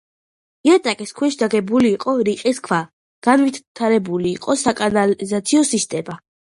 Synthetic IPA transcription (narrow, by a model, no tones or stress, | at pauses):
iat̪ʼakʼiskʰwiʃd̪aɡɛbuliːqʼɔɾiqʼiskʰwa | ɡ̥anvit̪t̪ʰaɾɛbuliːqʼɔsakʼanalizat̪sʰiɔsist̪ʼɛma